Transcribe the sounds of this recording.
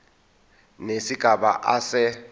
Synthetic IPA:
nesiɡ̥ʱaɓa̰ʔasɛ

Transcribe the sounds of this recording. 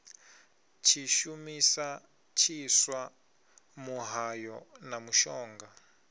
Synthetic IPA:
t͡ʃʰiʃumisa | t͡ʃʰiswa | muɦajɔnamuʃɔːŋɡa

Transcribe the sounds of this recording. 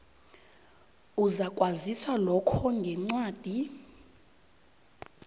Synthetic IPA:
uzakʼwaziswalɔkʰɔŋɡʱɛŋ͡ǀwaːd̥ʱi

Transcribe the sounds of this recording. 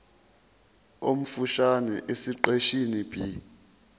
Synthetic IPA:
om̩fuʃanɛʔesiǃeʃinib̥ʱi

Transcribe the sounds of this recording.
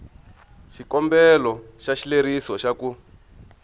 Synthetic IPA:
ʃikɔmbɛlɔʃaʃileɾisɔʃaku

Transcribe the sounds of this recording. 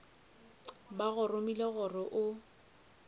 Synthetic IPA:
baɣʊrʊmileɣʊrɪʔʊ

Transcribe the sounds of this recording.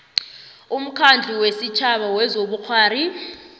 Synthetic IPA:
um̩kʰand͡ɮʱiwesit͡ʃʰaɓawɛzoɓuk͡xʰwaːɾi

